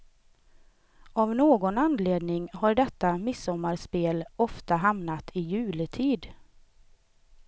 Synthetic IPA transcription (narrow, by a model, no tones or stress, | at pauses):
avnoːɡɔnanleːd̪nɪŋɦaɾɖɛt̪ːamɪsːɔmːaɾspeːlɔft̪aɦamnat̪ʰɪjʉ̟ːlɪt̪ʰiːd̪